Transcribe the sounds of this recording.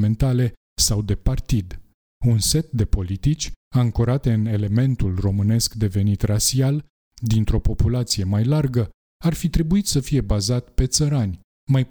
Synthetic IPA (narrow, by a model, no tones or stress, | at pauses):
me̞nt̪ale̞ | sawd̪e̞part̪id̪ | unse̞t̪̚d̪e̞po̞lit̪it͡ʃʲaŋkoɾat̪e̞ɨne̞le̞me̞nt̪ulro̞mɨne̞skd̪e̞ve̞nit̪rasial | d̪int̪ɾo̞po̞pulat̪sije̞majlarɡə | arfit̪ɾe̞buit̪səfije̞bazat̪pe̞t̪səɾanʲ | maj